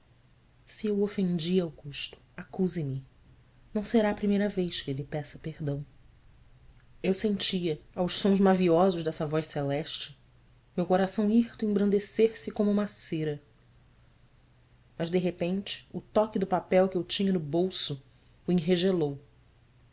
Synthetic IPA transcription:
siewofẽnd͡ʒiɐwɡuʃt̪ʊ̥akuzɪmɪ | nɐ̃w̃seɾaɐpɾimejɾɐvejʃkɪelɪpɛsɐpehd̪ɐ̃w̃ | ewsẽnt͡ʃiɐawʃsõzmaviɔzʊʒd̪ɛsɐvɔjʃselɛʃt͡ʃɪ̥ | mewkoɾasɐ̃w̃iht̪ʊẽbɾɐ̃nd̪eseɾsɪkõmʊũmaseɾɐ | mɐzd̪eɦepẽnt͡ʃɪ̥ʊt̪ɔkɪd̪ʊpapɛwkɪewt͡ʃĩɲɐnʊbowsʊː | ĩɦeʒelow

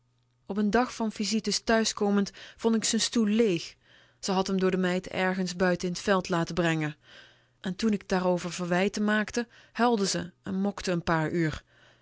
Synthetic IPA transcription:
ɔpəndɑχfɑnv̥izitəstœɥskoːməntfɔntɪksənstullejx | z̥əɦɑtɦəmdʊːɹdəmɛjtɛ̰ɹχənzbœɥtəɪnətfɛlˠtlaːtəbrɛŋə | ʔɛntunɪɡ̚daːrowvəɹvəɹʋɛjtəmaːktəhɛlˠdəzəɛnmɔktəːnpaːɹyːr

